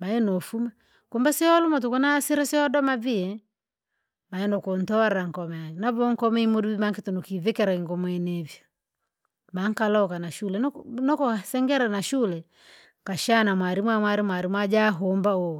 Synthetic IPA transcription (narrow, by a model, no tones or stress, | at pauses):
maɛnɔfuma | kumbasiɔlumat̬ukunasiɾasiɔdɔmaviɛ | maɛnɔkɔntɔɾɾaŋ̩kɔmɛnaβɔŋkɔmɛimudubimaŋkitɔnukivɛkɛɾaiŋɡɔmwɛnɛvjɔ | maŋkalɔkanaʃulɛnɔkɔsɛŋɡɛɾanaʃulɛ | kaʃanamwaɾimwamwaɾimwaɾimwad͡ʒaɦɔmbaɔ